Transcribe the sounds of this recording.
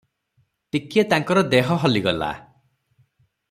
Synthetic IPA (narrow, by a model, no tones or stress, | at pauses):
ʈ̪ikiet̪aŋkɔɾɔd̪eɦɔɦɔliɡɔla̰